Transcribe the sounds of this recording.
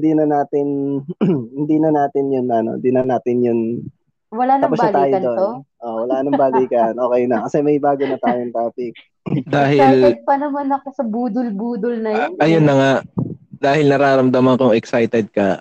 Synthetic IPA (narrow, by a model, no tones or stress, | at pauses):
hd̪inɐnaːt̪ɪn | hɪnd̪inɐnaːt̪ɪnjʊnɐno̞̰nd̪inɐnaːt̪ɪnjʊn | wɐlanɐpʊsbɐlt̪aːjoɐd̪o̞t̪noʔowɐlaːnɐŋbaːliːkɐnʔo̞ːkɛjnɐkɐsɛmɐjbaːɡonɐt̪aːjoŋt̪aːpɪk̚ | d̪aːɦɪlɐt̪̚pɐnɐmanɐkosɐbuːd̪ʊlbuːd̪ʊlnɐjonɐjonːɐŋad̪aːhɪlnɐɾaːɾɐmd̪ɐmɐnkʊŋɛksajt̪ɛd̪̚kɐ